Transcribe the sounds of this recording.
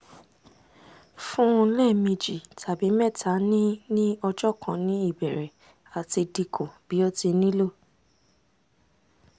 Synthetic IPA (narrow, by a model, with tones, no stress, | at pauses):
fũ˦˧lɛ˦˨mĩ˧d͡ʒi˨tʰa˨bi˨˦mɛ̃˦˨tʰa˨˦nĩ˦nĩ˦ɔ˧d͡ʒɔ˦˨kʰã˧nĩ˨˦i˦˨bɛ˨ɾɛ˨ | a˨ti˧di˧kʰõ˨b̥i˨˦ɔ˦ti˧nĩ˦lo˦˨